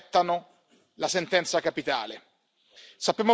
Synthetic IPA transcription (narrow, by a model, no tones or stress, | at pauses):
t̪ːano | lasent̪ɛnt̪sakapit̪a̰ːle | sapːjaːmo